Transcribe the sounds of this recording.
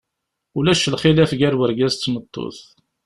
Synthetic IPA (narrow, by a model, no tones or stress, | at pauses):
ulæʃəlχilæfɡæɾwəɾɡæzt̪ːmət̪ˤːo̰θ